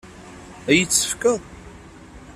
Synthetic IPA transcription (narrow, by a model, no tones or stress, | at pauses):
æjət͡sːə̥fkəðˤ